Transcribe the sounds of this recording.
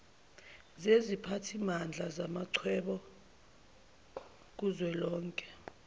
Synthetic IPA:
zezipʰatʰimand͡ɮʱazamaǀʰwɛɓɔ | k̬uzwɛlɔːŋkʼɛ̥

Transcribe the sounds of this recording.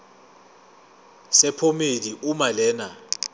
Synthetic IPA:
sɛpʰomeliʔumalɛːna

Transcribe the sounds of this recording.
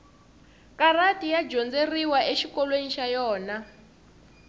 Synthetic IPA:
karatʼijad͡ʒɔnd͡zeriwaʔeʃikɔlweniʃajɔːna

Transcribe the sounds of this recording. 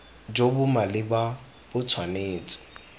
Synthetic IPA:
d͡ʒobʊmalɪba | bʊt͡sʰwaneːt͡sʼɪ̥

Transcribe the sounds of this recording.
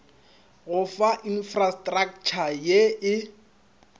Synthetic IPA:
ɣʊfaʔinfrastʼrak̚t͡ʃʰajeɪ

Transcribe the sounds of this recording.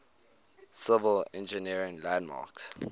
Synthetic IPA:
sɪvəlɛ̰̃nd͡ʒəniɹɪ̃ŋlæ̃ndmɑ̰ks

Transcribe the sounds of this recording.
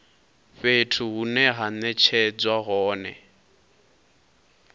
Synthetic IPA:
ɸetʰuɦunɛɦanɛt͡ʃʰɛd͡zwaɦɔːnɛ̰

